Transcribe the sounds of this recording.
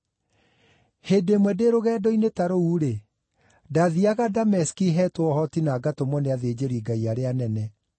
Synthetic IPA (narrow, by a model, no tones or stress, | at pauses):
hedemwɛdeɾoɣɛːdɔinetaɾouːɾe | daðiaɣadamɛskiɦɛtwɔhɔtinaːɡatomɔneaðed͡ʑeɾiɡaiaɾeanɛnɛ